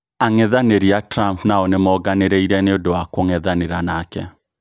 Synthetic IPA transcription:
aŋɛðaneɾiatɾampnaɔnemɔɡaneɾeiɾɛneodowakoŋɛðaneɾanaːkɛ̰

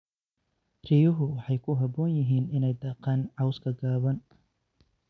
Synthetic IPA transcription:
rijʊɦʊwɑħɑjkʰʊɦɐbɔːnjɪɦiːnɪnɛjd̪ɑːqɑːnʕɑwskʰɐɡaːβɐn

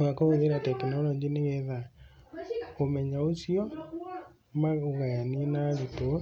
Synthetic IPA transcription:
ɣakoɣeðeɾatɛkinaɾɔɲd͡ʒineɣɛða | omɛɲaosiɔ | maɣuɣajanienaɾito

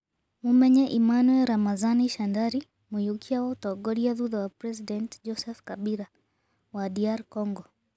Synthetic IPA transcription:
mumɛɲɛʔimanuwɛlɾamazaniʃandaɾi | mujukʰiawautɔɡɔɾiaðuðawapɾɛsidɛntd͡ʒɔsɛfkaɓiɾa | wadiaɾkɔŋɡɔ

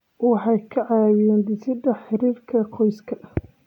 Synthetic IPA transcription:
wɑħɑjkʰɐʕɑːwɪjɛːnd̪ɪsɪd̪ɐħɪɾiːrkʰɐqʰɔjskʰɐʔ

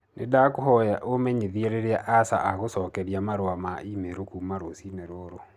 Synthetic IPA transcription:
nedakohɔjaʔomɛɲeðiɛɾeɾeaʔasa̰ʔaɣosɔːkɛɾiamaɾoamaimeɾokumaɾosinɛɾoɾo

